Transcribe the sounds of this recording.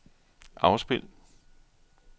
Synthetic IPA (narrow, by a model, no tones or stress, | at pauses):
ʔɑ̈ʊsb̥e̝l̰